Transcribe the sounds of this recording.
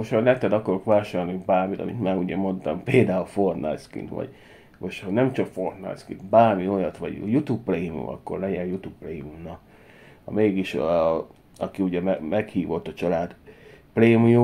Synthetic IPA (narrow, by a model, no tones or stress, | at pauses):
oʃt̪hɒlɛt̪ɛd̪ɒkɒɾokʋaːʃaːrnibaːrmit̪ɒ̰mḭt̪maːɾuɟɛmo̞nt̪ɒmpeːld̪aːulfort̪na̰jskḭnt̪ʋɒ̰ɟ̥ | moʃnɛmt͡ʃɒkfo̞rt̪na̰jskḭnt̪baːrmio̞jɒt̪ʋɒ̰ɟjut̪upːreːmiṵmʔɒ̰kːo̞rlɛɟɛnjut̪upːreumnɒ | hɒ̰meːɡiʃ | ɒkiuɟɛmɛmɛkhiːvo̞t̪ːɒt͡ʃɒlaːd̪preːmiju